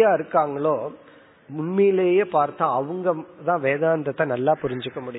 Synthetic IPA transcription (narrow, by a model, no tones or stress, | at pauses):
jaːɪɾɯkːaːŋɡɐɭoː | mʊɳmɛjɪleːjeːpaːɾt̪ːãːɐʋɯŋɡɐt̪ãːʋeːðaːnd̪ɐt̪ːɐ̃nɐlːaːpʊɾɪɲd͡ʒɯkːɐmʊɽɪj